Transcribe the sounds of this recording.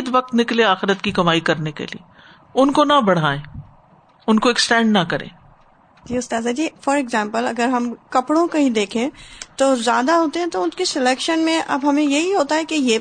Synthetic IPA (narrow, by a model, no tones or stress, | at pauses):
d̪ʋɐk̚t̪nɪklẽaːxɪɾət̪kikɐmaːikɐɾnekḛlḭe | ʊnkonɐbɐɽ̤aːẽː | ʊnkoɪksʈɛ̃ːɳɖnɐkɐɾḛ̃ː | d͡ʒiːʊst̪aːzad͡ʒiːfɔːɾɪɡzãːmpəlɐ̰ɡəɾɦɐmkɐpɽõkaɦĩd̪eːkʰẽːt̪oːzjaːd̪aɦoːt̪eɦɛ̃t̪oʊnkesɪlɛːkʃənmẽʔɐ̰bɦɐmẽjɐɦiɦoːt̪aɦɛkejeː